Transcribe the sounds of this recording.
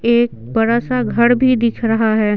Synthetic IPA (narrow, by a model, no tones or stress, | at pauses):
eːk̚bɐɾaːsaɡʱɐɾbʱid̪ɪkʰɾɐɦaɦɛː